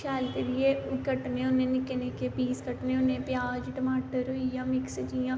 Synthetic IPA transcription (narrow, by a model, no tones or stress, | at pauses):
kʰɛːlk̪eːlɪeːkəʈnẽːʊnːẽːnɪkeneːkepiːskəʈnẽːʊnːẽːpjaːd͡ʒʈəmaːʈəɾoijãːmɪkst͡ʃijãː